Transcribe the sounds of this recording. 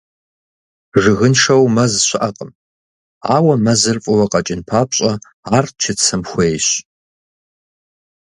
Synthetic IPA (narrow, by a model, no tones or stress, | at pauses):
ʐɨɣɨnʂɐwmɐzɕʷɪʔɐqʼəm | aːwɐmɐzɨrfʼʊwɐqʼɐt͡ʃʼɪnpʰaːpɕʼɐ | aːrt͡ʃʰɪt͡sʰɐmxʷejɕ